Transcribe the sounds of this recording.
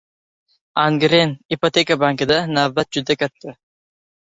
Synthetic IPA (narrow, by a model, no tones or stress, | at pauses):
aŋɡɾenipot̪ekabaŋkɪd̪anavbat̪̚d͡ʒʊd̪akʲʰat̪ːɪ